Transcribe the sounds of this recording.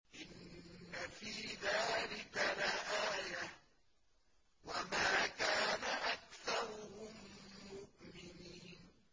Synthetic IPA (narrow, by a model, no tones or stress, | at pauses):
ʔɪnːafiːðaːlɪkalaʔaːja | wamaːkaːnaʔakθɑɾˤʊhʊmːʊʔmɪniːn